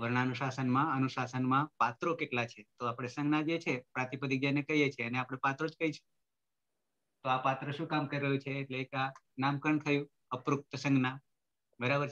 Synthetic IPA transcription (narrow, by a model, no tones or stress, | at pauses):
ʋəɾɳ̃anuʃasənmãənuʃasənmãpat̪ɾokeʈlat͡ʃʰet̪oapɽ̃esə̃ŋɡnad͡ʒet͡ʃʰepɾãt̪ipəd̪ik̚d͡ʒənekəɦijet͡ʃʰeəneapɽ̃epat̪ɾod͡ʒkəit͡ʃʰe̥ | t̪oapat̪ɾəʃũkamkəɾiɾəjũt͡ʃʰeːʈleːkanamkəɳt̪ʰəjũ | əpɾuk̚t̪əsə̃ŋɡna | bəɾabəɾt͡ʃʰ